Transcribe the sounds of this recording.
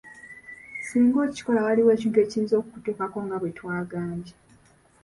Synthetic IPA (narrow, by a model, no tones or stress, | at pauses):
siːŋɡo̞ːci̥ko̞lawaliwe̞ːcintue̞ːcsiːnzo̞ːkukutuːkako̞ŋɡaβwetwaːɡaːɲɟi